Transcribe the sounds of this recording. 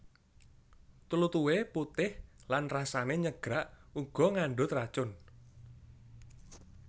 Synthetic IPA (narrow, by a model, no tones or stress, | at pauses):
t̪ulut̪uweput̪ɪhlanrasaneɲəɡ̥ɾaʔuɡ̥ɔ̤ŋaɳɖʊt̪rat͡ʃʊn